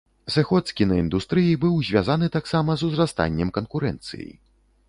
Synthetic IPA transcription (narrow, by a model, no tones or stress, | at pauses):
zɨxɔt̪skʲinɐind̪ust̪ɾɨjibɨwzʲvʲazanɨt̪aksamɐzuzɾast̪a̰nʲːɛmkɐnkuɾɛ̰nt̪sɨ̰jḭ